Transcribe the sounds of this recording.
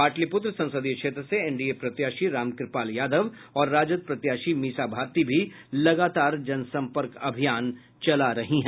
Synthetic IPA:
aːʈlipʊt̪ɾsɐ̃nsəd̪ijkʃeːt̪ɾəseɛɳɖiepɾɐt̪jaːʃiɾaːmkɾɪpaːljaːd̪əʋ | ɔːɾːaːd͡ʒəd̪̚pɾɐt̪jaːʃimiːsabʱaːɾt̪ibʱi | lɐɡaːt̪aːɾd͡ʒɐnsɐ̃mpəɾkɐbʱijaːn | t͡ʃɐlaɾɐɦiɦɛ̃

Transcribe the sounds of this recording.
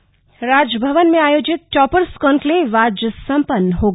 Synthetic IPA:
ɾaːd͡ʒəbʱəʋənmẽaːjoːd͡ʒɪt̪̚ʈɔːpəɾskɔnkleʋad͡ʒəsɐmpənːəɦo

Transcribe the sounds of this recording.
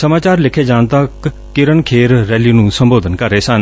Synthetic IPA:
səmaːt͡ʃaːɾlɪkʰeːd͡ʒãːnt̪əkː | ɪɾənkʰeːɾːɛːliːnũːsəmboːd̪ənkəɾeːsən

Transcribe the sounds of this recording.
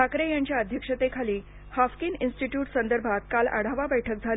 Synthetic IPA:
akɾejaɲt͡ɕjaəd̪ʱjəkʂət̪ekʰaliː | hafkininsʈiʈjuːʈsənd̪əɾbʱat̪̚kala̰ɽ̤aʋabəjʈʰək̚d͡zʱal

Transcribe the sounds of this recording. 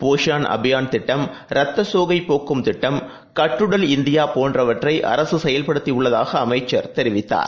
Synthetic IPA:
poːʂaːnʔɐ̰bɪjaːnt̪ɪʈːɐm | ɾɐt̪ːɐsoːɣɐɪpːoːkːɯmt̪ɪʈːɐm | kɐʈrɯɽɐlɪnd̪ɪjaːpoːndrɐʋɐʈrɐɪʔɐ̰ɾɐsɯsɛjɐlpɐɽɯt̪ːiʊɭːɐðaːɣɐːmɐɪt͡ʃːɐɾt̪ɛɾɪʋɪt̪ːa̰ːɾ

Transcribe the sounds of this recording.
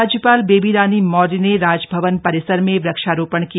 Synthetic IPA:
d͡ʒjəpaːlbeːbiɾaːnimɔːɾineɾaːd͡ʒbʱɐʋənpɐɾɪsəɾmẽbɾɐkʃaːɾoːpəɳ̃ki

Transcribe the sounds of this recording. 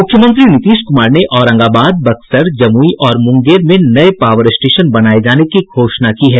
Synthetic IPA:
mʊkʰːjəmə̃nt̪̬ɾinɪt̪iːʃkʊmaːɾneʔɔːɾɐ̃ŋɡaːbaːd̪̚bɐksəɾd͡ʒɐmuiʔɔːɾmʊ̃ŋɡeːɾmẽnɐepaːʋəɾɪsʈeːʃənbɐnaːed͡ʒaːnekiɡʱoːʃnakiɦɛː

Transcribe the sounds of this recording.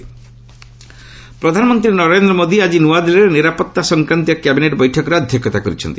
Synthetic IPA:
pɾɔd̪ʱanɔmɔnt̪ɾinɔɾend̪ɾɔmod̪iad͡ʒinuad̪ilɔɾeniɾapɔt̪ːasɔŋkɾant̪ijɔkɛbineʈbɔjʈʰɔkɔɾeɔd̪ʱjɔkjɔt̪akɔɾit͡ʃʰɔ̰nt̪i

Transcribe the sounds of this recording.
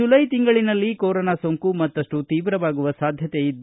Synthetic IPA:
ulɐjt̪iŋɡɐɭinɐlːikoːɾonasoŋkumɐt̪ːɐʂʈut̪iːʋɾɐʋaːɡuʋɐsaːd̪ʱjɐt̪eid̪

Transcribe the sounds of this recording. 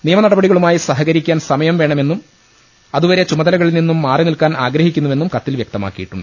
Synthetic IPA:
nijɐmɐnɐɽɐbɐɽiɣɐɭumaːjisɐɦɐɣɐɾikʲːaːnsɐmɐjɐmʋeːɳɐme̞nːum | ɐðuʋɐɾet͡ɕumɐðɐlɐɣɐɭilninːumːaːrinilkaːnaːɡɾɐɦikʲːunːuʋe̞nːumkɐt̪ːilʋjɐk̚t̪ɐma̰ːkːijiʈːuɳɖɨ

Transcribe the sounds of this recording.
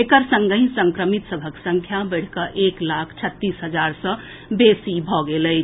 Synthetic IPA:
ekəɾsə̃ŋɡə̃ĩsəŋkɾəmit̪səbʱəksəŋkʰjabəɽ̤kəʔeklakʰt͡ʃʰət̪ːisɦəd͡ʒaɾsə̃ | besibʱɔɡeləɪ

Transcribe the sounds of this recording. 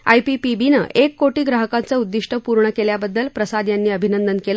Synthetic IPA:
ajpipibinə̰ʔekːoʈiːɡɾaɦəkãnt͡səud̪ːiʂʈəpuɾɳəkeljabəd̪ːəlpɾəsad̪janːiːəbʱinənd̪ənkel

